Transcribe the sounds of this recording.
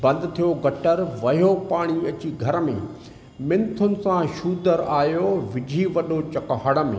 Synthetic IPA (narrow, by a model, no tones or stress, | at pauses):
bɐ̃nd̪ɪ̆t̪ʰijoɡɐʈəɾʋɐjopaːɽ̃iɐt͡ɕiɡʱɐɾəmḛ̃ː | mɪ̃nt̪ʰʊnɪ̆sãʃuːd̪əɾaːjoʋɪd͡ʑʱiʋɐɗot͡ɕɐkɦəɽə̆mḛ̃ː